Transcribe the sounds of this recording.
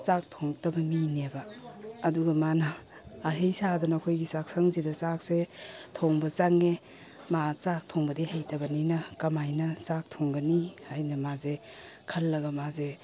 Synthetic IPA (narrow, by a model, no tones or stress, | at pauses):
t͡ʃak̚tʰoŋtɐbɐminebɐːduɡɐmanɐː | hejsadɐnakʰojɡisak̚saŋzidɐsak̚setʰoŋbɐt͡ʃaŋe | mat͡ʃak̚tʰoŋbɐdihajtɐbɐninɐkɐmajnɐt͡sak̚tʰoŋɡɐnihajnɐmaze | kʰɐlːɐɡɐmaze